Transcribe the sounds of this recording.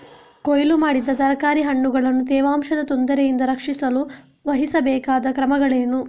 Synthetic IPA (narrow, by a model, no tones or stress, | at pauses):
kojlumaːɽid̪ːɐt̪ɐɾɐkaːɾiɦɐɳːuɡɐɭɐnːut̪ɛːʋaːmʃɐd̪ɐt̪ond̪ɐɾejind̪ɐɾɐkʂisɐlu | ʋɐɦisɐbɛːkaːd̪ɐkɾɐmɐɡɐɭeːnu